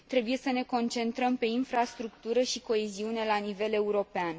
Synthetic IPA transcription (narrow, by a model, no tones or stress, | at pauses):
t̪ɾe̞buje̞səne̞ko̞nt͡ʃe̞nt̪ɾəmpe̞infɾast̪ɾukt̪uɾəʃiko̞eziune̞lanive̞le̞uɾo̞pean